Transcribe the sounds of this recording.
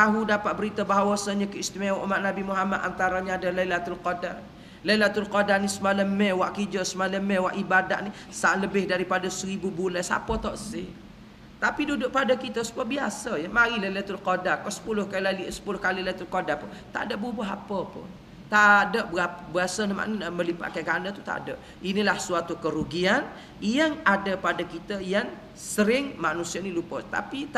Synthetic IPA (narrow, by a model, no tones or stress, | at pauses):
t̪aɦudapat̪̚bəɾit̪əbaɦawasaɲəkəist̪imaɾɔʔumaʔ̚nabimuɦamat̪a̰nt̪aɾaɲaadaləilat̪ulkoda̰ | ləilat̪ulkodanisəmaləmɛwaʔkid͡ʒəsəmaləmɛwaʔibadaʔni | saʔləbɪhdaɾipadasəɾibubuləsa̰pət̪ɔʔsɪ̰ | t̪apidudʊʔ̚padakit̪əsə̥muabiasəjəmaɾilalət̪ʊlkodakɔsə̥pulʊhkalalisə̥pulʊhkalilat̪ulkodaʔpʊ | t̪a̰ʔdəʔ̚bubuɦapəpʊ̰n | t̪adəʔbabuasənəma̰ʔnəəməlipa̰ʔkaɡanət̪ut̪a̰ʔdəʔ | inilahsuat̪ukəɾuɡian | jaŋadəpadakit̪əjaŋ | səɾɪŋmanusianilupət̪a̰pit̪